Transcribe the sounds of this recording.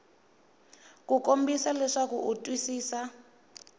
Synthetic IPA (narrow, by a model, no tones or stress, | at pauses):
kukombisalɛʂakuʔutʼwisiːsa